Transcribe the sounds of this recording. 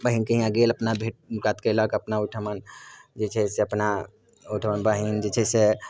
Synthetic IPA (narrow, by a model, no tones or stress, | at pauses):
bəɦinkeɦĩãɡeːlɐpnabʱeʈ̚kat̪keləɡəpnauʈʰəmənd͡ʒet͡ʃʰɛseɐpna | uʈʰəmənbəɦind͡ʒet͡ʃʰɛse